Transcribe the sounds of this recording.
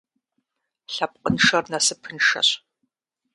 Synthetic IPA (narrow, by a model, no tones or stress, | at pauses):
ɬɐp̚ʼqʼənʂɐrnɐsɨpʰɨnʂɐ̰ɕ